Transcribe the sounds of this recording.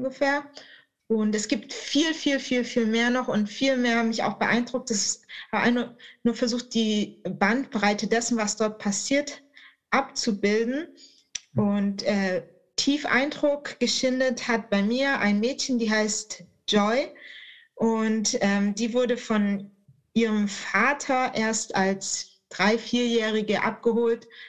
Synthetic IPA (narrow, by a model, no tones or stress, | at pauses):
ŋɡəfeːɐ | ʔʊntɛsɡ̥iːptfiːlfiːlfiːlfiːlmeːɐnɔχʊntfiːlmeːɐhamɪça̰ʊxb̥əʔa̰ɪnd̥ʁʊk̚tɛshabʔa̰ɪnanuːɐfɛɐzuːxt̚d̥iːbantb̥ʁaɪtədɛsn̩vasd̥ɔɐt̚pʰasiːɐt | ʔapt͡subɪldn̩ | ʔʊntʔɛː | tʰiːfʔa̰ɪndʁʊkɡ̥əʃɪndəthat̚b̥aɪmiːɐʔa̰ɪnmɛːtçən̩diːɦaɪst | ʒ̥ɔʏ | ʔʊntʔɛːmdiːvʊɐdəfɔn | ʔiːʁəmfaːtʰɐʔeːɐstals | d̥ʁaɪfiːɐjɛːʁ̞ɪɡəʔa̰p̚ɡ̥əɦoːlt